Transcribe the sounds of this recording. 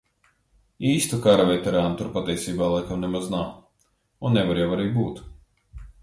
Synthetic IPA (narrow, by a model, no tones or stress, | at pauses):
iːst̪ukaɾavɛjt̪ɛɾaːnut̪uɾpat̪ʲiɛsiːbaːlˠajkamnemaznaw | unːɛvaɾjawaɾɛjbuːt̪